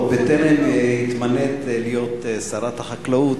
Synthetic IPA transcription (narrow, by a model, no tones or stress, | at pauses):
bet̪eʁemhit̪manet̪lijot̪saɾat̪haχaklaut̪